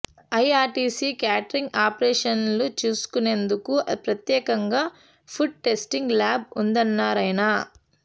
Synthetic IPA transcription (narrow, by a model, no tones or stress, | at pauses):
ɐjaːɾʈiːsiːkjaːʈɐɾiŋɡaːpɾɛːʂɐnlut͡ʃuːsu̥kune̞nd̪ukupɾɐt̪jɛːkɐŋɡaː | pʰuɖ̚ʈe̞sʈiŋɡlaːb̚und̪ɐnːaːɾɐjnɐ